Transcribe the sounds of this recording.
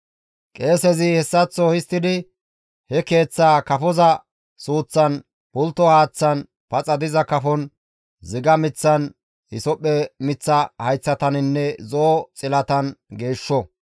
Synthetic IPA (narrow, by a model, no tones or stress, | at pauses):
kʼe̞ːsɛzɪhɛsːɐt͡sːɔhɪst̪ːɪd̪ɪ | hɛke̞ːt͡sːaːkɐfɔzɐ | suːt͡sːɐn | bʊlt̪ːɔhaːt͡sːɐn | pɐt͡sʼɐd̪ɪzɐkɐfɔn | zɪɡɐmɪt͡sːɐn | hɪsɔpʼːɛmɪt͡sːɐhɐjt͡sːɐt̪ɐnɪnːɛzoːt͡sʼɪlɐt̪ɐnɡe̞ːʃːɔ